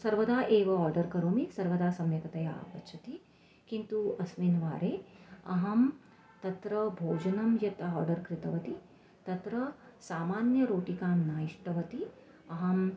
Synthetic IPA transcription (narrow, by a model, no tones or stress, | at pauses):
sɐɾʋɐd̪aːʔeːʋɐaːɾɖɐɾkɐɾoːmisɐɾʋɐd̪aːsɐmjɐkɐt̪ɐja̰ːpɐʃʰɐt̪i | kint̪uɐsmeːnʋaːɾeːɐɦɐm | t̪ɐt̪ɾɐbʱoːd͡ʒɐnɐmjɐt̪ɔːɾɖɐɾkɾɪt̪ɐʋɐt̪i | t̪ɐt̪ɾɐsaːmaːnjɐɾoːʈikaːmnaːjiʂʈɐʋɐt̪i | ɐɦɐm